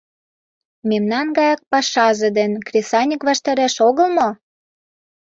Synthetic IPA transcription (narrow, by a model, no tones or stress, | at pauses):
memnɑnɡɑjɑk̚pɑʃɑzĕd̪enkrʲesɑnʲəkβɑʃt̪ɑɾæʃoɣɤ̆lmo